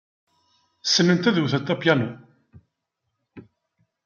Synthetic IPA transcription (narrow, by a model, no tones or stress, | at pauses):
sːənːənt̪æðwθət̪ːæpjænu